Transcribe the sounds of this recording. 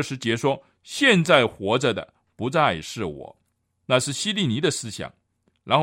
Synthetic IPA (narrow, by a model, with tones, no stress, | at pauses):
ʂɻ̩˧˥t͡ɕjɛ˧˥ʂwɔ˥ | ɕjɛ˥˧nt͡sa˥˩ɪxwɔ˧˥ʈ͡ʂə˧d̪ə̰˩ | pu˧˥t͡sa˥˩ɪʂɻ̩˥˩wɔ̰˨˩˦ | na˥˧ʂɻ̩˥˩ɕi˥li˥˩ni˧˥d̪ə˧sɹ̩˥ɕjɑ̰˨˩˦ŋ | ɻa˧˥nxo˥˧